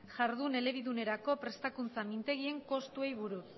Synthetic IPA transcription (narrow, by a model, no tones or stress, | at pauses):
ʝaɾðune̞le̞βiðune̞ɾako̞pɾe̞st̪akunt͡samint̪e̞ɣ̞ie̞ŋko̞st̪ue̞jβuɾu